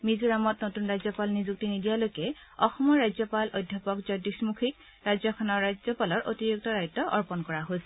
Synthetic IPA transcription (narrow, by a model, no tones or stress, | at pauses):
mizuɹamɔtnotunɹajzɔpalnizuk̚tinidijalojkɛ | ɔxɔmɔɹːajzɔpalʔojdʱjapɔkzɔdismukʰik̚ | ɹazɔkʰɔnɔɹːazɔpalɔɹʔotiɹuk̚tɔdajtːɔʔɔɹpɔnkɔɹaɦojsɛ